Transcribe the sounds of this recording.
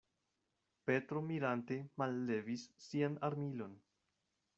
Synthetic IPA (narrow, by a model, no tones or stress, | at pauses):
pe̞tɾo̞miɾante̞malːe̞visːianaɾmilo̞n